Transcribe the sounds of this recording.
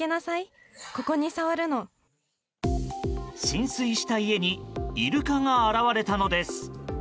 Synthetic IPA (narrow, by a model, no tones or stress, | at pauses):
e̞nasai | ko̞ko̞ɲ̟isaβaɾɯ̟no̞ | ɕĩɰ̃sɨiɕi̥t̪aie̞ɲ̟iiɾɯ̟kaŋaːɾaβaɾe̞t̪ano̞d̪e̞sɨ̥